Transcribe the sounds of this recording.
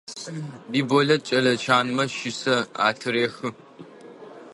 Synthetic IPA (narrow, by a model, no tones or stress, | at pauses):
biːbɔɮɐt͡ʃʼɐlɐt͡ʃʰaːnmɐʃɪsɐa̰ːtʰɨɾeːxɨ